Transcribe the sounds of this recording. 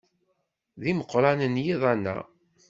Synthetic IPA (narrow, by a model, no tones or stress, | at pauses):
ðiməqːɾˤɑnənjiðˤænːæ̰